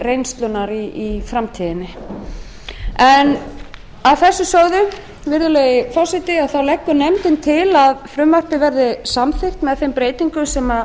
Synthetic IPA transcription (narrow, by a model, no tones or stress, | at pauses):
rejnst̪lʏnaɾiifɾamt̪ʰiðɪnːɪ | ɛn | awθɛsːʏsœɣðʏ | vɪɾðʏlɛjɪfɔsɪt̪ɪaðθawlɛkːʏnɛmt̪ɪnt̪ʰɪlaðfɾʏmːar̥pɪvɛɾðɪsamθɪr̥t̪mɛðθejmpɾeːjt̪iŋkʏsɛma